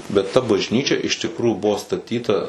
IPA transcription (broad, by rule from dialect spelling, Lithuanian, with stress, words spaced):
bʲɛt tɐ bɐʒʲˈnʲiːt͡ʃʲɛ ɪʃ tʲɪkˈruːjuː ˈbʊʋoː stɐˈtʲiːtɐ